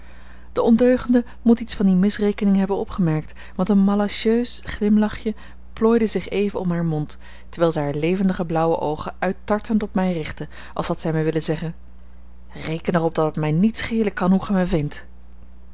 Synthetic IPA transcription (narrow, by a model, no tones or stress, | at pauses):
d̥əɔndøɥχəndə | mutitsfɑndimɪsrejkənɪŋɦɛbənɔpχəmɛɹk̚t | ʋɑntənmalaʃøɥsχlɪmlɑχjə | ploːjdəzɪχejvəɔmɦaːɹmɔnt | tə̥ɹʋɛːlˠzɛjɦaːɹlejvəndəχəblʌwəʔowχəʔœɥtɑɹtəntɔpmɛjrɪχtə | ʔɑ̰lˠshɑtsɛjmɛjʋɪləzɛχən | rejkənɛrɔb̚dɑtətmɛjnitsχejləkːɑnɦuχəmɛvɪnt